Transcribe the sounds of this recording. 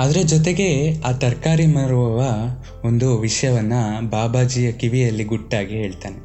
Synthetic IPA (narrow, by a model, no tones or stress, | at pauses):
aːd̪ɐɾed͡ʒɔt̪̬e̞ɡe̞aːt̪ɐɾkaːɾimɐɾuʋɐʋɐ | ond̪uʋiʂɐjɐʋɐnːɐbaːbaːd͡ʒijɐkiʋijɐlːiɡuʈːaːɡiɦe̞ːɭt̪aːne